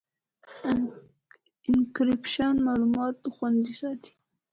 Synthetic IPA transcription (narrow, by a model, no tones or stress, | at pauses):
ɪnkɾɪpʃanmɑlumɑt̪ːxwand̪isɑt̪i̥